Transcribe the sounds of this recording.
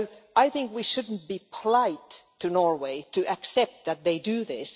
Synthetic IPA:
ʔaɪθɪ̃ŋkwiʃʊdⁿn̩t̚b̥ipʰəlaɪtʰː | ɨnɔɹweɪtɨʔæksɛp̚t̪̚ðɨt̪̚ðeɪdɨðɪs

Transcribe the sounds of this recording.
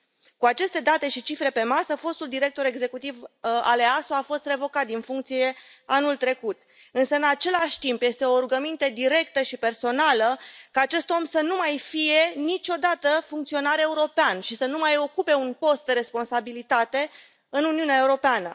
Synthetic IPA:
kuat͡ʃe̞st̪e̞d̪at̪e̞ʃit͡ʃifɾe̞pe̞masəfo̞st̪uld̪iɾe̞k̚t̪o̞ɾe̞ɡze̞kut̪iva̰leasoafo̞st̪re̞vo̞kat̪̚d̪infuŋk̚t̪sije̞ | anult̪ɾe̞kut̪ | ɨnsəɨnat͡ʃe̞laʃʲt̪impje̞st̪e̞o̞ɾuɡəmint̪əd̪iɾe̞k̚t̪əʃipe̞rso̞naləkaːt͡ʃe̞st̪o̞msənumajfije̞nit͡ʃʲo̞d̪at̪əfuŋkt̪sio̞naɾe̞uɾo̞peanʃisənumajo̞kupe̞unpo̞st̪̚d̪eɾe̞spo̞nsabilit̪at̪e̞ | ɨnuniuneaeuɾo̞peanə̰

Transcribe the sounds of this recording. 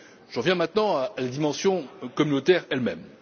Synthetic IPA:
ʒ̥əʁvjɛ̃mɛ̃t̪nɑ̃aːlad̪imɑ̃sjɔ̃kɔmynot̪ɛʁɛlmɛ̰m

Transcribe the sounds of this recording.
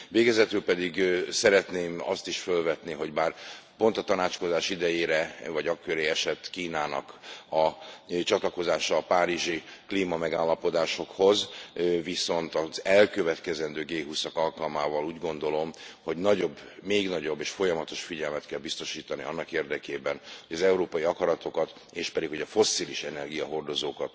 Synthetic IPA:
veːɡɛzɛt̪ylpɛd̪iɡsɛɾɛt̪neːmɒ̰st̪iʃfølvɛt̪niɦo̞ɟbaːrpo̞nt̪ɒt̪ɒnaːt͡ʃko̞zaːʃid̪ɛjeːɾɛvɒɟɒkːøɾeːɛʃɛt̪ːkiːnaːnɒ̰kɒt͡ʃɒt̪lɒko̞zaːʃɒːpaːɾiʒikliːmɒmɛɡaːlːɒpo̞d̪aːʃo̞kho̞zviso̞nt̪ɒzɛlkøvɛt̪kɛzɛnd̪øːɡeːɦusɒkɒlkɒlmaːvɒluːɟɡo̞nd̪o̞lo̞mho̞ɟnɒɟo̞bːmeːɡnɒɟo̞bːeːʃfo̞jɒmɒt̪o̞ʃfiɟɛlmɛt̪kɛlbist̪o̞ʃiːt̪ɒnḭɒnːɒkeːrd̪ɛkeːbɛnhoɟɒzɛuɾoːpɒiɒkɒɾɒt̪o̞kɒt̪ | eːʃpɛd̪ikho̞ɟɒfo̞sːiliʃɛnɛrɡijɒɦo̞rd̪o̞zoːkɒt̪

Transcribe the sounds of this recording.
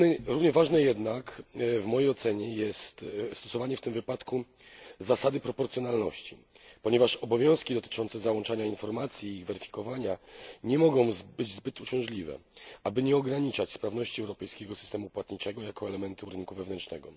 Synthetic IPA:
ɾuvɲɛvaʐnɛjɛd̪nakvmɔjejɔt̪sɛɲɛjɛst̪st̪ɔ̥sɔvaɲɛft̪ɘmvɘpat̪ku | zasad̪ɘpɾɔpɔɾt̪sʲjɔnalnɔɕt͡ɕḭ | pɔɲɛvaʂɔbɔvʲjɔ̃w̃skʲid̪ɔt̪ɘ̥t͡ʂɔnt̪sɛzawɔnt͡ʂaɲainfɔɾmat̪sʲjiːɣvɛɾɘfʲi̥kɔvaɲaɲɛmɔɡɔ̃w̃zbɘd͡ʑzbɘt̪ut͡ɕɔ̃w̃ʐlʲivɛ̰abɘɲɛɔɡɾaɲit͡ʂat͡ɕspɾavnɔɕt͡ɕiɛwɾɔpɛjskʲɛɡɔsɨ̥st̪ɛmupwat̪ɲit͡ʂɛɡɔjakɔɛlɛmɛnt̪uɾɘnkuvɛvnɛnt͡ʂnɛɡɔ

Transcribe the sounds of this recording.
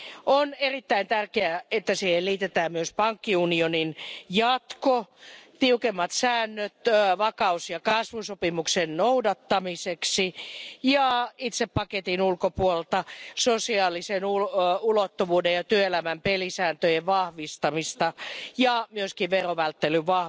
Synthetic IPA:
onerit̪ːæint̪ærkeæet̪ːæsiːhelliːt̪et̪æːmmyøspɑŋkːiunioninjɑt̪kot̪iukemːɑt̪sæːnːøt̪ʋɑkɑusjɑkɑsʋusopimuksennoudɑt̪ːɑmiseksijɑit̪seppɑket̪inulkopuollt̪ɑsosiɑːlisenuulot̪ːuʋuːdejɑt̪yøelæmæmpelisæːnt̪øjeʋʋɑhʋist̪ɑmist̪ɑjɑmyøskiʋʋeroʋælt̪ːelyʋʋɑh

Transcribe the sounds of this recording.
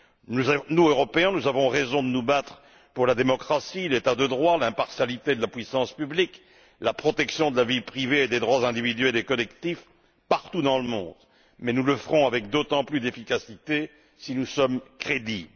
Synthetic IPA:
unuøʁɔpeɛ̃nuzavɔ̃ʁezɔ̃d̪ənubat̪χə | puʁlad̪emɔkχasilet̪ad̪əd̪ʁwalɛ̃paʁsjalit̪ed̪əlapwɥisɑ̃spyblik | lapχɔt̪ɛksjɔ̃d̪əlavipχiveːd̪ed̪ʁwazɛ̃d̪ivid̪ɥɛld̪ekɔlɛkt̪if | paʁt̪ud̪ɑ̃ləmɔ̰̃d̪ | mɛnuləfəʁɔ̃avɛk̚d̪ot̪ɑ̃plyd̪efikasit̪e | sinusɔmkχed̪i

